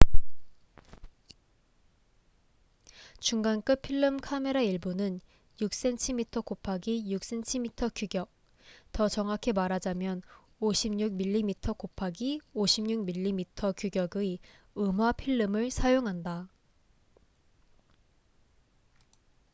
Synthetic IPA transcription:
t͡ɕuŋɡank͈ɯpʰiɭːɯmkʰame̞ɾaiɭbonɯn | juk̚s͈e̞ntʰimitʰʌkopʰaɡijuk̚s͈e̞nt͡ɕʰimitʰʌkjuɡjʌk̚ | tʌt͡ɕʌŋɦakʰe̞maɾad͡ʑamjʌn | oɕʰimɲuk̚miʎːimitʰʌkopʰaɡioɕʰimɲuk̚miʎːimitʰʌkjuɡjʌɡɯ | ɯmwapʰiɭːɯmɯɭsʰajoŋɦanda

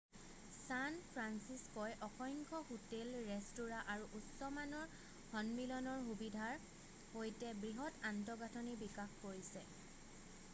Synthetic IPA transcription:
sanpʰɹansiskɔjʔɔxɔjŋkʰɔxutelɹɛstuɹaʔaɹuʔutsɔmanɔɹ | hɔnmilɔnɔɹxubidʱaɹ | hojtɛbɹiɦɔtantɔɡatʰɔnibikaxkoɹisɛ

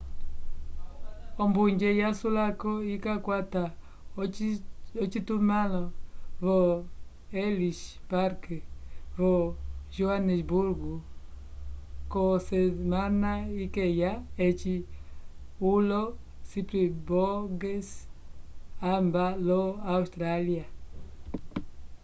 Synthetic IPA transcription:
ɔmbuɲd͡ʒɛjasulakɔikakwata | ɔt͡ʃitumalɔvɔ | ɛliʃpaɾkɛvɔʒuanɛsbuɾɡu | kosemanaikejaet͡ʃi | ulo | sipɾeboɡes | ambaloawst̪ɾalja

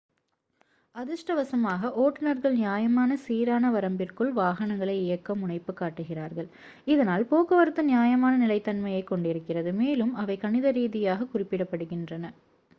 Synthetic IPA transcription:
ɐðɪʂʈɐʋɐsɐmaːɣɐʔoːʈːɐnɐɾɣɐɭnjaːjɐmaːnɐsiːɾaːnɐʋɐɾɐmbɪrkɯɭʋaːɣɐnɐŋɡɐɭɐɪɪjɐkːɐmʊɳɐɪpːɯkːaːʈːɯɣɪraːɾɣɐɭ | ɪðɐnaːlpoːkɐʋɐɾɯt̪ːɯnɪjaːjɐmaːnɐnɪlɐɪt̪ːɐnmɐjɐɪkːɔɳɖɪɾɯkːɪrɐðɯmeːlɯmɐʋɐɪkɐnɪðɐɾiːðɪjaːɣɐkʊrɪpːɪɽɐpːɐɽɯɣɪndrɐnɐ

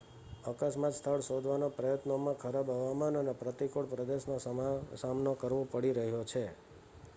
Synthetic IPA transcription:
əkəsmat̪st̪ʰəɭsod̪ʱʋanopɾəjət̪nomãkʰəɾabɦəʋamanənepɾət̪ikoɽpɾəd̪eʃnassamnokəɾʋopəɽiɾəɦjot͡ʃʰe

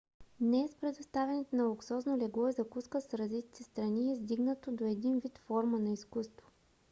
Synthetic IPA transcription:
d̪nɛspɾɛd̪ost̪avɛnɛt̪onɐlˠʊksɔznolɛɡɔizɐkuskəsɾɐzit̪i̥t̪ɛst̪ɾɐniɛzd̪iɡnət̪od̪oɛd̪invit̪fɔɾmənɐiskust̪vo̥

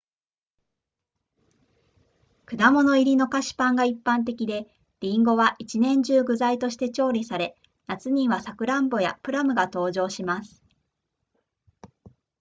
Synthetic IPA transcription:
kɯ̟d̪amo̞no̞iɾʲino̞kaɕi̥pãŋɡaipːãnt̪̬e̞kʲid̪e̞ | ɾ̥ʲĩŋɡo̞βaʔit͡ɕinẽ̞ɲ̟d͡ʑɨːɡɯ̟zait̪o̞ɕi̥t̪e̞t͡ɕo̞ːɾʲisaɾe̞ | nat͡sɨɲ̟ĩɰ̃βasakɯ̟ɾãmbo̞ja̰pɯ̟ɾamɯ̟ɡat̪o̞ːʑo̞ːɕimasɨ̥

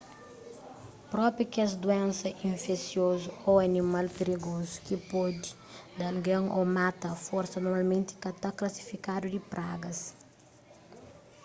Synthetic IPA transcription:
pɾɔpɾjukɛzd̪uɛ̃nsɐʔĩɱfesjozuoɐnimalpiɾiɡozu̥kipɔd̪i̥ | d̪ɐlɡɐ̃ŋʔomat̪ɐfɔɾsɐnoɾmalmẽnt̪i̥kɐt̪aklɐsi̥fikad̪ud̪ipɾʔaɡɐs

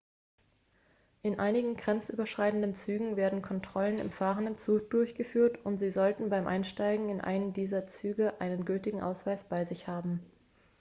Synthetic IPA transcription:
ʔɪnʔaɪnɪɡŋ̩ɡʁɛnt͡sʔy̰ːbɐʃʁ̥aɪtn̩dənt͡syːɡŋ̩veːɐdn̩kʰɔntʁ̥ɔlənɪ̰mfaːʁəndənt͡suːk̚d̥ʊɐçɡ̥əfyːɐtʊntz̥iːzɔltn̩baɪmʔa̰ɪnʃtaɪɡŋ̩ɪnʔa̰ɪnəndiːzɐt͡syːɡəʔa̰ɪnənɡʏltɪɡŋ̩ʔa̰ʊsv̥aɪsb̥aɪzɪçhaːbm̩

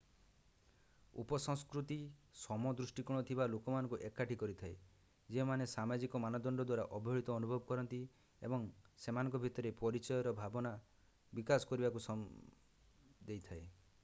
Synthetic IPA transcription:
ṵpɔsɔŋskɾut̪isɔmɔd̪ɾusʈikuɽ̃ɔt̪ʰibalokɔmanɔ̃ŋkuʔekːaʈʰikɔɾit̪ʰae | d͡ʒemanesamad͡ʒikɔmanɔd̪ɔɳɖɔd̪waɾaʔɔbʱɔɭit̪ɔːnubʱɔbɔkɔɾɔnt̪i | ḛbɔŋsemanɔ̃ŋkɔbʱit̪ɔɾepɔɾit͡ʃɔjɔɾɔbʱabɔna | bikasɔ̥kɔɾibakusɔ | d̪ejt̪ʰae

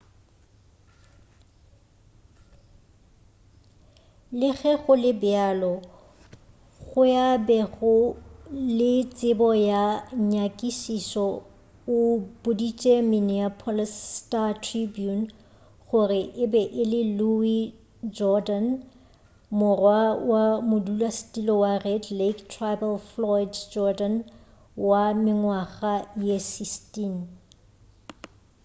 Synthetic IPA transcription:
lɪɣɛɣʊlɪbɪalɔ | ɣʊjabɛɣʊ | lɪt͡sʼɪbɔjaɲakʼiʃisɔ | ʊb̥ʊdit͡ʃʼɛminiapʰɔlstatʰribjun | χʊrɪʔɪbɛʔɪlɪlui | d͡ʒɔdan | mʊrwawamʊdulastʼilɔwarɛdlektʰrabɛlflɔɪdd͡ʒɔdan | wamɪŋwaχajesistʼin

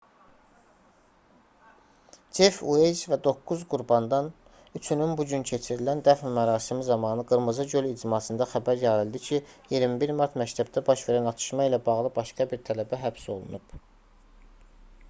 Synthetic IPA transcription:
d͡ʒefued͡ʒvæd̪o̞kːuzɡuɾbɑnd̪ɑn | yt͡ʃʰynynbuɟyncʰe̞t͡ʃʰiɾilænd̪æfmæɾɑːsimizɑmɑnɯɡɯɾmɯzɯɟølid͡ʒimɑsɯnd̪ɑxæbæɾjɑɾɯlˠd̪icʰijiɾmibiɾmɑɾt̪mæct̪ʰæb̚d̪ʰæbɑʃve̞ɾænɑt͡ʃ̪ʰɯ̥ʃmɑilæbɑɣlˠɯbɑʃɡɑbiɾt̪ʰælæbæɦæbso̞lˠṵnub̥

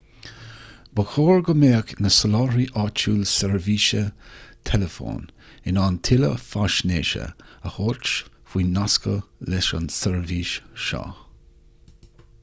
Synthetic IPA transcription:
bəxoːɹɡəmeːknəsəlɑːɹiʔɑt͡ʃuːlsɛɹviːʃət̪ʰɛləfo̰ːn | ɪnantʰɪləfaʃneːʃə̰əhot͡ʃ | fwiːnaskəlɛʃə̰nsɛɹviːʃʃɑ̰

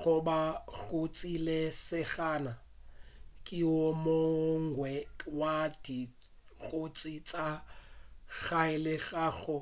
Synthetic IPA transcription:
ɣʊbaɣʊt͡sʼilesɪɣaːna | kʼɪʊmoŋ̩ɡwɛwad̥i | ɣot͡sʼit͡sʼa | ɣaɪlɪɣaːɣɔ

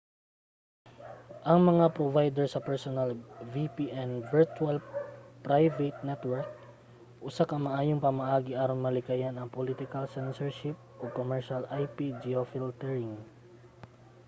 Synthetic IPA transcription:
ʔɐŋmɐŋapɾovajd̪ɛɹsɐpɛɹsonɐlvipiʔɛnvɛɹt͡ʃualpɾajvɛt̪̚nɛt̪wɛɹk̚ | ʔʊsakɐmɐʔaːjoŋpɐmɐʔaːɡɪʔaːɾonmɐlɪkajanɐŋpolit̪ɪkɐlsɛnsɛɹʃɪp̚ʔokomɛɹʃalʔajpid͡ʒiofɪlt̪ɛɹɪŋ

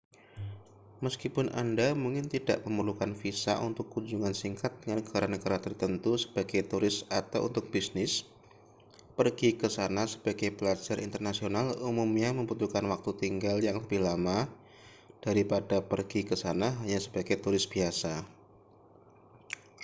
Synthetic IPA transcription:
məskipʊnʔa̰ndamuŋkɪnt̪ida̰ʔməmərlukanfisa̰ʔunt̪ʊkːuɲd͡ʒuŋansiŋkat̪̚dəŋanəɡ̥aɾanəɡaɾat̪ərt̪ənt̪usə̥b̥aɡajt̪uɾɪsat̪awʔṵnt̪ʊk̚b̥isnɪs | pərɡikəsanasə̥b̥aɡajpəlad͡ʒaɾʔḭnt̪ərnasionalumumɲaməmbut̪ukanwak̚t̪ut̪iŋɡaljaŋləbɪhlama | d̥aɾipadapərɡ̥ikəsanaɦaɲasəb̥aɡajt̪uɾɪsb̥iasa

